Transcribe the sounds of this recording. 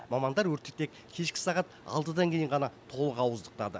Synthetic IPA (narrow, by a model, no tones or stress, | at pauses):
mɑmɑnd̪ɑɾwɵɾt̪ɪ̥k̚t̪e̞kʲ | kʲʰe̞ʃkʲɪ̥sɑʁɑt̪ɑ̰lˠt̪əd̪ɑŋkʲʰe̞jɪɴʁɑnɑt̪ʰo̞lˠəqɑwəzd̪əq̚t̪ɑd̪ə